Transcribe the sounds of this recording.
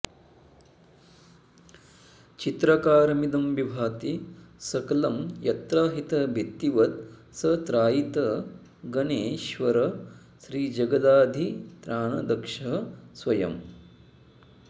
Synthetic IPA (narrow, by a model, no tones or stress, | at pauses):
t͡ʃit̪ɾɐkaːɾɐmid̪ɐmʋibʱaːt̪isɐkɐlɐmjɐt̪ɾaːɦit̪ɐbʱit̪ːiʋɐt̪sɐt̪ɾaːjit̪ɐ | ɡɐneːʃʋɐɾɐ | ʃɾiːd͡ʒɐɡɐd̪aːd̪ʱit̪ɾaːɳɐ̰d̪ɐkʂɐɦsʋɐjɐ̰m